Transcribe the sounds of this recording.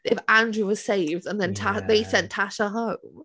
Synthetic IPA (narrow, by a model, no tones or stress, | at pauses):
ɪfãndɹʉwɒz̥seɪvdə̃nðə̃ntʰaðeɪsɛ̃ntʰaʃəɦõʊ̃m